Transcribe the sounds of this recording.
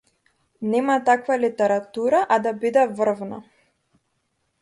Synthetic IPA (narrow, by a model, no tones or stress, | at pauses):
nɛmat̪akvalit̪ɛɾat̪uɾaʔad̪abid̪ɛvr̩vna̰